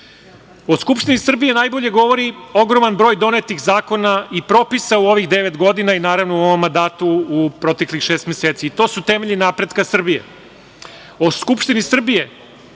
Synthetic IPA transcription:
o̞skupʃt̪inisr̩bije̞naːjbo̞ʎe̞ɡo̞ʋo̞ɾio̞ɡɾo̞manbɾo̞ːjd̪o̞net̪ixzaːko̞naipɾo̞ːpisauo̞ʋixd̪e̞ʋet̪ɡo̞d̪inainaːɾaʋnouo̞ʋo̞mːand̪aːt̪uːpɾo̞t̪eklixʃeːst̪mʲeseːt̪siit̪o̞ːsut̪e̞meʎinaːpɾe̞d̪kasr̩bije̞̰ | o̞skupʃt̪inisr̩bije̞

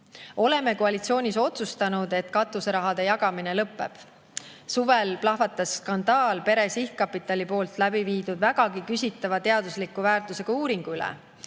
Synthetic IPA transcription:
o̞le̞me̞koɑlʲit̪sio̞ːnʲiso̞t̪sust̪ɑnud̪̥e̞t̪kɑt̪ːˑuseɾɑɦɑd̪̥e̞jɑɡ̥ɑmine̞lɤpːˑe̞̰b̥ | suvelplɑɦvɑt̪ːˑɑsːkɑnd̪̥ɑːlpe̞ɾe̞sihkkːɑpːˑit̪ːˑɑlʲipo̞ːlt̪ˑlæbiviːd̪ud̪̥væɡ̥ɑɡikysʲit̪ːˑɑvɑt̪e̞ɑd̪̥uslikːˑuvæːrt̪ˑuse̞ɡ̥ɑuːɾiŋɡ̥uylɛ̰

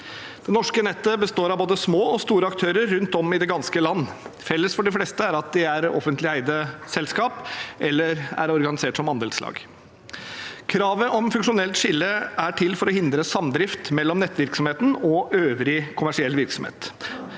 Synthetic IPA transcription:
d̪̥ɛnɔʂkənɛt̪ːəbəst̪oːɾɑʋboːd̪əsmoːɔst̪uːɾəɑkt̪ʰøːɾəɾːʉnt̪ɔmɪd̪ɛɡɑnskəlɑnːfɛlːəsfɔɖɪfleːst̪əæɾɑt̪̚d̪ɪæɾɔ̰fənt̪lɪæɪd̪əsɛlskɑːpʔɛlːəɾæ̰ɾɔɾɡɑnɪseːʈsɔmɑnd̪eːlslɑ̰ːɡ | kʰɾɑːʋəʔɔmfʉŋʂʊnɛlt̪ʂɪlːəæʈʰɪlːfɔɾɔhɪnd̪ɾəsɑmd̪ɾɪft̪mɛlːɔmnɛt̪ːʋɪɾksɔmheːt̪n̩ɔøːʋɾɪkʰʊmæʂɪɛlːʋɪɾksɔmḛːt̪

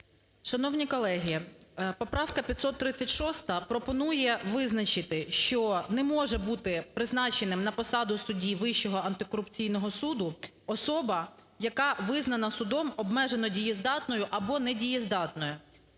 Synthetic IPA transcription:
ʃɐnɔwnʲikɔlˠɛɦʲijɛpɔpɾɑwkɐpʲjɐt̪ʲsɔt̪ːɾɪt͡sʲːɐtʲʃɔst̪ɐpɾɔpɔnujɛʋɪznɐt͡ʃɪt̪ɪʃt͡ʃɔnɛmɔʒɛbut̪ɪpɾɪznɑt͡ʃenɪmnɐpɔsɑd̪ʊsʊdʲiʋɪʃt͡ʃɔɦɔʔɐnt̪ɪkɔɾʊpt͡sʲijnɔɦɔsud̪ʊ | ɔsɔbɐ | jɐkɑʋɪznɐnɐsʊd̪ɔmɔbmɛʒenɔdʲijɛzd̪ɑt̪nɔjʊʔɐbɔnɛdʲijɛzd̪ɑt̪nɔjʊ

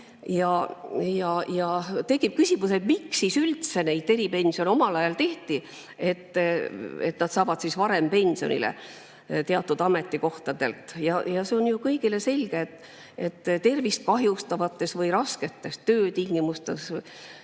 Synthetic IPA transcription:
jɑjɑjɑt̪e̞kːˑip̚kysʲimused̪miksisylt̪se̞ne̞jd̪̚e̞ɾipe̞nʲsio̞no̞mɑlɑjɑlt̪e̞ht̪i | e̞t̪ːˑ | et̪nɑd̪̥sɑːvɑd̪̥sisvɑɾe̞mpe̞nʲsio̞̰nḭlḛ | t̪eɑt̪ːˑud̪ɑme̞t̪ːˑiko̞ht̪ɑd̪̥e̞lt̪jɑjɑseo̞njukɤjɡ̥ile̞se̞lʲɡ̥et̪ː | et̪ːt̪ːe̞rvist̪̚kɑɦjust̪ɑvɑt̪ːˑe̞svɤjɾɑske̞t̪ːˑe̞st̪øːt̪iŋɡ̥imust̪e̞s

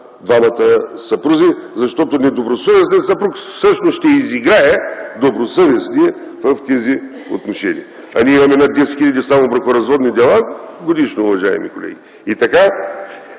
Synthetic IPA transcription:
d̪vamɐt̪əsɐpɾuzizɐʃt̪ɔt̪onɛd̪obɾosovɛsnʲɛnsɐpɾuksɤʃnosʃt̪ɛiziɡɾaɛd̪obɾosɤvɛsniɛ | vɐft̪ɛzi | o̰t̪noʃɛnḭɐ | ɐ̰nʲiɛimɐmɛnad̪ːɛsɛ̥t̪xilʎɐd̪ʲifsamobɾɐkoɾɐzvɔd̪nid̪ɛlˠaɡod̪iʃnoʊvɐʒaɛ̰mḭkolɛ̰ɡʲi | it̪ɐka

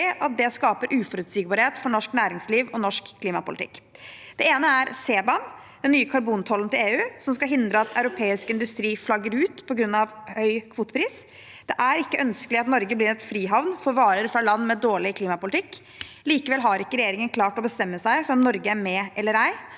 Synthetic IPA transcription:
ɪʔɑt̪̚d̪ɛskɑːpəɾʔʉːfɔɾʉːt̪siːɡ̚bɑɾɪheːt̪fɔɳɔʂknæːɾɪŋsliːʋɔnɔʂkʰːliːmɑpʊlɪt̪ɪ̰kːd̪̥ɛeːnəæɾseːbɑn | d̪ɛnːyːəkʰɑɾbuːnt̪ʰɔlːənt̪ɪleːʉːsɔmskɑɦɪnd̪ɾəɑt̪ʰɑʉɾʊpʰeːɪskɪnd̪ʉst̪ɾiːflɑɡːəɾʉːt̪pʰɔɡɾʉnːɑʋhœʏkʰʋuːt̪ə̥pʰɾiːs | d̪̥ɛʔæɾɪkːəʔœnskəlɪɑt̪nɔɾɡəblɪɾɛt̪fɾiːɦɑʋnfɔɾʋɑːɾəɾfɾɑlɑnːmɛd̪oːɭɪkʰliːmɑpʊlt̪ɪkː | liːkəʋɛlɦɑɾɪkːəɾɛjeːɾɪŋənkʰlɑːʈɔbəst̪ɛmːəsæɪfɔɾɔmnɔɾɡəæmɛːʔɛlːəɾæɪ

